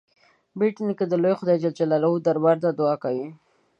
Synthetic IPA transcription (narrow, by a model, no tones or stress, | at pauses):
biʈnikəd̪əlojxʊd̪ajd͡ʒald͡ʒalalaud̪aɾwaɾd̪ad̪ʊakawi